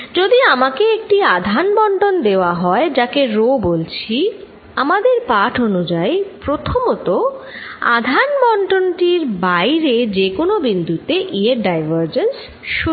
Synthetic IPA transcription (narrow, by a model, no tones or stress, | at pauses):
d͡ʑod̪iamakeek̚ʈiad̪ʱanbɔɳʈond̪eoaɦɔed͡ʑakeɾobolt͡ɕʰi | amad̪eɾpaʈʰonud͡ʑajpɾot̪ʰomot̪o | a̰d̪ʱanbɔɳɖonʈiɾbajɾed͡ʑekonobind̪ʱut̪eʔieɾɖajbaɾd͡ʑens | ʃu